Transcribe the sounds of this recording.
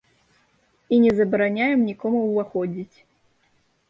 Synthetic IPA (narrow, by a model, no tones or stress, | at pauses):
inʲɛzɐbɐɾanʲajɛmnʲikɔmuwvaxɔd͡zʲit͡sʲ